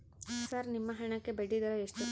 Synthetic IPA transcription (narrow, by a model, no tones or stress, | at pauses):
sɐɾnimːɐɦɐɳɐkːebeɽːid̪ɐɾeːʂʈu